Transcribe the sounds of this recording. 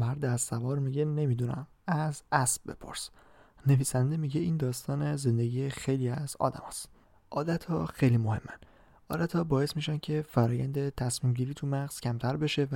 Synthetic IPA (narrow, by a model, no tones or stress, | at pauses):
mæɾd̪sævɒːɾmiɟe̞ne̞miːd̪unæ̰m | æzæsb̚be̞̰pʰo̞̰ɾsne̞viːsænd̪e̞miɟe̞iːnd̪ɒːst̪ɒːneze̞nd̪eɟiːjexe̞jliːæz̥ɒ̰ːd̪æ̰mɒ̰ːst̪ | ʔɒːd̪æt̪ʰhɒːxe̞jlimohe̞mːæ̰n | ʔɒːd̪æt̪hɒːbɒːje̞smiːʃæncʰe̞fæɾɒːjæ̰nd̪et̪ʰæsmiːmɟiːɾiːt̪ʰumæɣz̥cʰæmt̪ʰæɾbe̞ʃe̞væ